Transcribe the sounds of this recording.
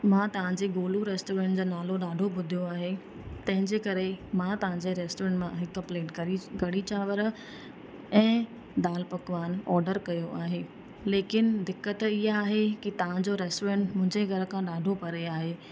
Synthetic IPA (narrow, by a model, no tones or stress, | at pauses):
mãt̪ɐʋ̤ãɲd͡ʑeɡoːluɾeːsʈoːɾẽːɳʈd͡ʑoːnaːloɗaːɖʱobʊd̪ʱijoaːɦe | t̪ɐ̃ɦɪ̃ɲd͡ʑeːkɐɾemãt̪ɐʋ̤ãɲd͡ʑeɾeːsʈoːɾẽːɳʈmãɦɪkəpleːʈkɐɾiɡɐɽit͡ɕaːʋəɾ | ɛ̃ː | d̪aːlpɐkʋaːnɔːɾɖəɾkɐjoʔaːɦeː | leːkɪnd̪ɪkːət̪ɪɦaaːɦekit̪ɐʋ̤ãd͡ʑoɾɛːsʈoːɾẽɳʈmʊ̃ɦɪ̃ɲd͡ʑeɡʱɐɾkʰãɗaːɖʱopɐɾeaːɦeː